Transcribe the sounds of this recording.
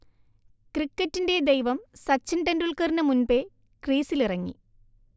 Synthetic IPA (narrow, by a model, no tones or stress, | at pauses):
krikːɐtːinde̞d̪ejʋɐmsɐt͡ɕːɐnɖɐnduɭkɐrnɐmunbe | kriːsilirɐŋːḭ